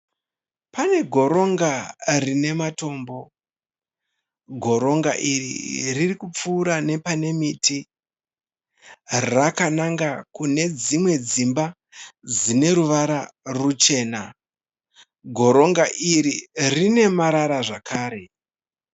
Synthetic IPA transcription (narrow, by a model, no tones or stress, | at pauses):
pane̞ɡʱo̞ɾo̞ŋɡarine̞mato̞ːmbo̞ | ɡʱo̞ɾo̞ŋɡaʔirḭririkup͡fuːɾane̞pane̞miti | rakanaŋɡakune̞d͡zimwe̞d͡zimba | d͡zine̞ɾuʋaɾarut͡ʃe̞ːna | ɡʱo̞ɾo̞ŋɡaʔiɾirine̞maɾaɾaʐakʰaːɾe̞